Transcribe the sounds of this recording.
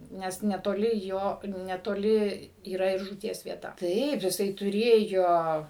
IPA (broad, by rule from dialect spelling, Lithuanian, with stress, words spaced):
ˈnʲɛs nʲɛtoːˈlʲɪ ˈjoː nʲɛtoːˈlʲɪ iːˈrɐ ɪr ʒuːˈtʲiɛs ʋʲiɛˈtɐ ˈtɐɪp jɪˈsɐɪ tʊˈrʲeːjoː